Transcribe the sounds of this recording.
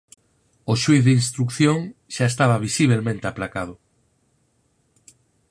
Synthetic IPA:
oʃwiθðeinst̪ɾukθjõŋʃaest̪aβ̞aβ̞isiβ̞elmẽnt̪eaplakað̞ʊ

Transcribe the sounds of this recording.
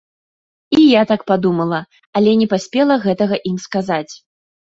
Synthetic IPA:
ijat̪ak̚pad̪umɐlˠɐ | alʲɛnʲɛpasʲpʲɛlˠɐɣɛt̪ɐɣɐʔimskazat͡sʲ

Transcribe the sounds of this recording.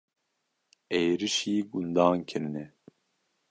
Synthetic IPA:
ejɾɨʃiːɡund̪ɑːnkʰɨɾnɛ

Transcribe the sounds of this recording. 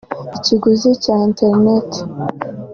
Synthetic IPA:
iciɡuzicainteɾnet

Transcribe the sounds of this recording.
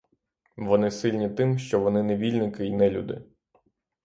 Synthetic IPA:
ʋɔnɪsɪlʲnʲit̪ɪmʃt͡ʃɔʋɔnɪneʋʲilʲnɪkɪjnɛlʲṵd̪ɪ̰

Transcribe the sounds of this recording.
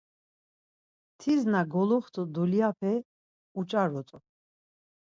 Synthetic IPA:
t̪ʰiznaɡɔlɔχt̪ʼɔd̪ɔliapʰɛ | ut͡ʃʼaɾɔt͡s̪ʼɔ

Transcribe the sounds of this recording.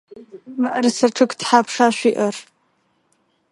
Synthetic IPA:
maʔarsaʈ͡ʂʰɨkdħapʰʂaʃʷᶣiʔar

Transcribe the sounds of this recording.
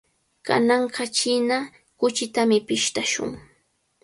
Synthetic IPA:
ka̰nɑɴɢɑt͡ʃɪna | kʊt͡ʃɪt̪amɪpɪʃt̪aʃʊ̰ŋ

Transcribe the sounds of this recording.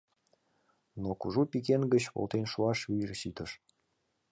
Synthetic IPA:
nokuʒupikenɡət͡ɕβo̰lt̪enʃuɑʃβirɕit̪əʃ

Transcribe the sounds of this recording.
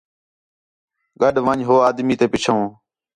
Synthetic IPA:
ɠəɗʋə̃ɲɦoːaːd̪miːt̪eːpɪt͡ʃʰõː

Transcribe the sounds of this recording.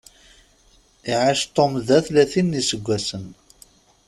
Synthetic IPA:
iʕaʃt̪ˤːomðæθlæθinːisəɡʷːæsən

